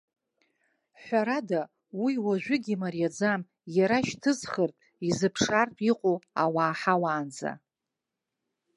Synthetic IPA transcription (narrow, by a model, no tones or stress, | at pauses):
ħʷaɾada | wiwaʒᶣʷʏɡʲimarjad͡zam | jaɾaʃtʰɨzχərtʼ | izɨpʰʂartʼiqʼoawaːħawaːnd͡za̰